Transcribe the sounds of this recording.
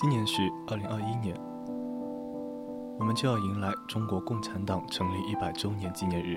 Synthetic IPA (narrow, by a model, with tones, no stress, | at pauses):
t͡ɕi˥njɛ˧˥nʂɻ̩˥˧˩ə˞˥˩li˧˥ŋɐ˞˥˧i˥njɛ˧˥n | wɔ˨˩mə˦nt͡ɕjo˥˧ʊjɑ˥˩ʊi˧˥ŋla˧˥ɪʈ͡ʂʊ˥ŋkwɔ˧˥kʊ˥˩ŋʈ͡ʂʰa˧˥nt̪ɑ˨˩˦ŋʈ͡ʂʰɤ˧˥ŋli˥˧ʔi˥˩pa˨˩ɪʈ͡ʂo˥ʊnjɛ˧˥nt͡ɕi˥njɛ˧˥nɻ̩˥˩